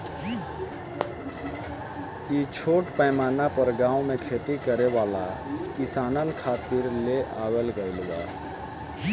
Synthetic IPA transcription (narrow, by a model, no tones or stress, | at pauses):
it͡ʃʰoːʈpəmaːnapəɾɡãːũmekʰet̪ikəɾeʋaːla̰kɪsaːnənkʰaːt̪iɾleʔaːwelɡəɪlʋa̰